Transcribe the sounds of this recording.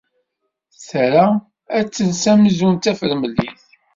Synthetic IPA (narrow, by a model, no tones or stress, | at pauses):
θɾa | æt͡sːənsæməzunt̪æfəɾməlːḭθ